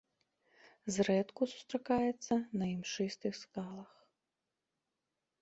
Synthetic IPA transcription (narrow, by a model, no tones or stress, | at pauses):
zɾɛt̪kusu̥st̪ɾakajɛt̪sːɐnɐimʂɨst̪ɨxskalˠɐx